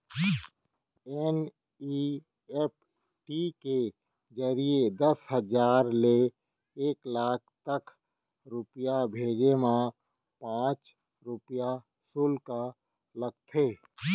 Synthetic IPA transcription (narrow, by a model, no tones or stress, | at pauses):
ɛn | i | ɛp̚ | ʈike | d͡ʒəɾied̪əsɦəd͡ʒaːɾle | eːklaːkʰt̪ək | ɾʊpjabʱeːɡemã | pãːt͡ʃ | ɾʊpja | sʊlka | ləɡ̚t̪ʰeː